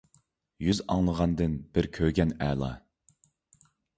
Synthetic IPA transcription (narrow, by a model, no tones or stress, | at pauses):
jyzɑ̰ŋlˠəʁɑnd̪ɨnb̥ɪɾkʲʰøɡʲɛnɛːlˠɑ̰